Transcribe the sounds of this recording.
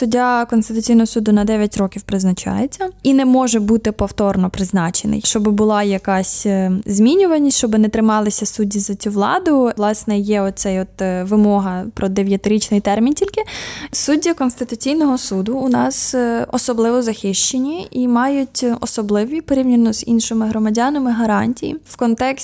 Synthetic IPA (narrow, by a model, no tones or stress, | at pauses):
sʊdʲːakɔnst̪ɪt̪ʊt͡sʲijnɔɦɔsud̪ʊnɐd̪ɛʋʲjɐtʲɾɔkʲiwpɾɪznɐt͡ʃɑ̰jet͡sʲːɐinɛmɔʒɛbut̪ɪpɔwt̪ɔrnɔpɾɪznɑt͡ʃenɪ̰jʃt͡ʃɔbɪbʊlˠɑjɐkɑsʲzmʲinʲʊʋɐnʲisʲʃt͡ʃɔbɪnɛt̪ɾɪmɑlˠɪsʲɐsudʲːizɐt͡sʲuʋlˠɑ̰d̪ʊlˠɑsnɛjɛɔsɛjɔt̪ʋɪmɔɦɐpɾɔd̪eʋʲjɐt̪ɪɾʲit͡ʃnɪjt̪ɛrmʲintʲilʲkɪsudʲːɐkɔnst̪ɪt̪ʊt͡sʲijnɔɦɔsud̪ʊːnɑsɔsɔblˠɪʋɔzɐxɪʃt͡ʃenʲːiʔimɑjʊtʲɔ̰sɔblˠɪʋʲipɔɾʲiwnʲinʊzḭnʃɪmɪɦɾɔmɐdʲɑnemɪɦɐɾɑnʲtʲijḭwkɔnt̪ɛksʲ